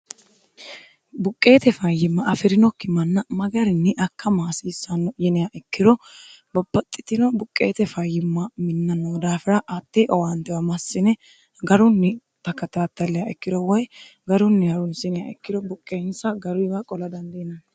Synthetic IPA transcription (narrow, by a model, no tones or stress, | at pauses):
bʊkʼːe̞ːt̪ɛfɐjːɪmːɐʔɐfɪɾɪnɔkːɪmɐnːɐmɐɡɐɾɪnːɪʔɐkːɐmaːsiːsːɐnːɔjɪnɪjaʔɛkːɪd̪ɔbɐbːɐt̪ʼːɪt̪ɪnɔbʊkʼːḛːt̪ɛfɐjːɪmːɐmɪnːɐnoːd̪aːfɪɾɐʔɐt̪ːeʔɔwant̪ɛwɐmɐsːɪnɛ | ɡɐɾʊnːɪ | t̪ɐkːɐt̪aːt̪ːɐlːɛjɐɛkːɪd̪ɔwɔj | ɡɐɾʊnːɪhɐɾʊnsɪnɪjaʔɛkːɪdɔbʊkʼːeːnsɐɡɐɾʊjbɐkʼɔlɐd̪ɐnd̪ɛnɐn